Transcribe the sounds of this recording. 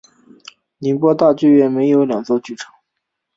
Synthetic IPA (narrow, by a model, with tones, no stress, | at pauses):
ni˧˥npwɔ˥t̪a˥˧t͡ɕwe˥˧ɥɛ˥˩nme˧˥ɪjo˧˥ʊljɑ˨˩ŋt͡swɔ˥˩t͡ɕy˥˩ʈ͡ʂʰɤ˧˥˦